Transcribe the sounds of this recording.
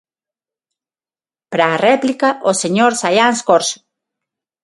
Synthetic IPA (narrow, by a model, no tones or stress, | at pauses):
pɾaːreplikaʔoseɲoɾsajanskoɾs